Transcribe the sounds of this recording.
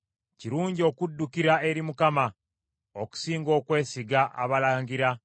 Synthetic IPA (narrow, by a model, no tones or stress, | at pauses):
ciɾuːɲɟo̞ːkudːukiɾae̞ɾimukama | oku̥siːŋɡo̞ːkwe̞ːsiɡaʔa̰βalaːŋɡiɾa